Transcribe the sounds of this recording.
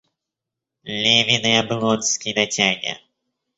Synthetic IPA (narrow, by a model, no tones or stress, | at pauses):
lʲevʲinɨjɐblˠɔnskʲid̪ɐtʲaɡʲɐ̰